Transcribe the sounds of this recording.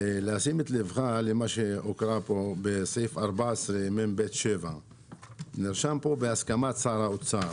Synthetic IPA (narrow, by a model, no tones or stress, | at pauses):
leasimet̪levxalemaʃeokɾapobesejfaɾbasʁemembet̪ʃeva | niʁʃampobeaskamat͡saɾaot͡sa